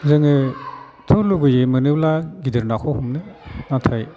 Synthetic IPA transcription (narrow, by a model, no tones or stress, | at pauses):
zɯŋɯ | tʰɯluɡɯjɯmɯnɯblaɡidɯɾnakʰɔhumnɯnatʰaj